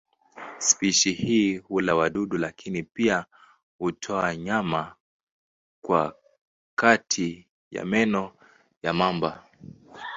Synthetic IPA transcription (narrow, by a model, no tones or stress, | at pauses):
spiʃihiːhulawaɗuɗulakʰinipia | hutʰɔaɲama | kwa̰ | katʰi | ja̰mɛnɔ | jamamba